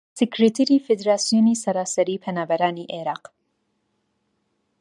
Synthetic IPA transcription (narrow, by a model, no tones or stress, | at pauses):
sɪkɾet̪ʰeɾifed̪ɾaːsijonisɐɾaːsɐɾiːpʰɐnaːbɐɾaːniʔeɾɑːq